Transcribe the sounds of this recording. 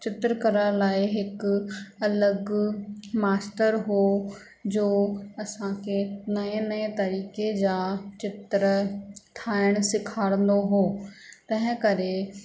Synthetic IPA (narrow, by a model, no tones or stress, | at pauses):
t͡ɕɪt̪ɾəkɐɾəɽ̃laːɪɦɪkɐləɡ | maːsʈəɾɦo | d͡ʑoːɐsãkʰenɐẽnɐẽt̪ɐɾiːked͡ʑaːt͡ɕɪt̪ɾət̪ʰaːɪɽ̃sɪkʰaːɽ̃ə̃n̆d̪oɦoːt̪ɐ̃ɦɪ̃kɐɾe